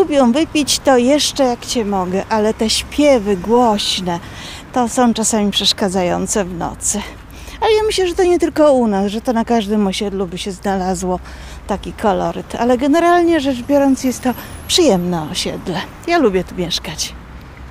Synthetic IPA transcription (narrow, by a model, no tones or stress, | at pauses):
ubʲjɛ̃w̃vɘpʲit͡ɕt̪ɔjɛʂt͡ʂɛjakt͡ɕɛmɔɡɛʔalɛt̪ɛɕpʲjɛvɘɡwɔɕnɛ | t̪ɔsɔ̃w̃t͡ʂasamʲipʂɛʂkad̪zajɔnt̪sɛvnɔ̰t̪sɘ | alɛjamɘɕlɛʐɛt̪ɔɲɛt̪ɘlkɔunasʐɛt̪ɔnakaʐd̪ɘmɔɕɛd̪lubɘɕɛznalazwɔ | t̪akʲikʰɔlɔɾɘt̪a̰lɛɡɛnɛɾalɲɛʐɛt͡ʂbʲjɔɾɔnt̪sjɛst̪ːɔpʂɘjɛmnɛɔɕɛd̪lɛ | jalubʲjɛt̪umʲjɛʂkat͡ɕ